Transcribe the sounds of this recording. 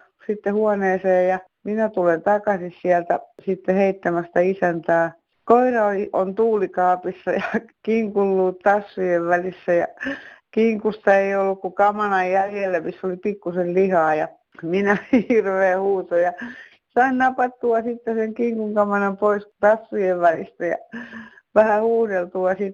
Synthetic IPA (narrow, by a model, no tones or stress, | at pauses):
sit̪ːehuɑneːseːjjɑ | minæt̪ulent̪ɑkɑsissiælt̪æsit̪ːeheit̪ːæmæst̪æisænt̪æː | koirɑoliʔont̪uːlikɑːpisːɑjɑkiŋkulːuːtt̪ɑsːujeʋʋælisːæjɑ̰kiŋkust̪ɑeiolːukkukɑmɑnɑjjæljelːæmisːolipikːusellihɑːjɑ | minæhhirʋeːhuːt̪ojɑ | sɑinnɑpɑt̪ːuɑsit̪ːeseŋkiŋkuŋkɑmɑnɑmpoist̪ɑsːujeʋʋælist̪æjɑ̰ | ʋæhæhuːhdelt̪uɑsit̪